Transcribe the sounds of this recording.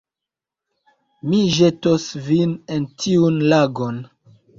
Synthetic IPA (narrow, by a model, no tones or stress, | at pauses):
miʒe̞tosvinentʰiunlaɡon